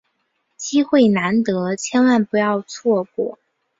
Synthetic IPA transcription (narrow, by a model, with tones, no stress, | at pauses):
t͡ɕi˥xwe˥˩ɪna˧˥nt̪ɤ˧˥t͡ɕʰjɛ˥nwa˥˩npu˧˥jɑ˥˧ʊt͡sʰwɔ˥˩kwɔ̰˨˩˦